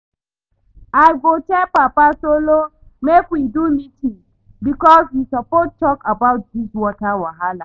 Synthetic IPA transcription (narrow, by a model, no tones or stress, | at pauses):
ajɡotɛpapasolo | mekwidumiti | bikɔzhisapɔt̚tɔkabawt̚dizwakawaɦala